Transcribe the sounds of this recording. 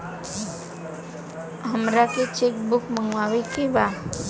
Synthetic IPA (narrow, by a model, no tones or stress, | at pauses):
ɦəmɾaket͡ʃek̚bʊkməŋɡwawekiba